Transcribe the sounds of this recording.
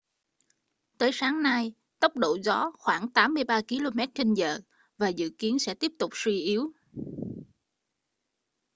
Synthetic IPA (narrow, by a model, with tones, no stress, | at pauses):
t̪əː˨˦jsaː˨˦ŋna˧j | t̪ə˦˥wk͡p̚ɗo̰˧˨zɔ˨˦xwaː˧˩ŋt̪aː˨˦mːɨ˧əjɓaː˧ki˨˧˦lo˧mɛ˦˥t̚t͡ɕe˧nzə̰ː˧˨ | vaː˨˩zɨ̰˧˨ki˨˦ənsɛ̰˧˥t̪i˦˥əp̚t̪ʊ˨˩k͡p̚swi˧ʔi˨˦əw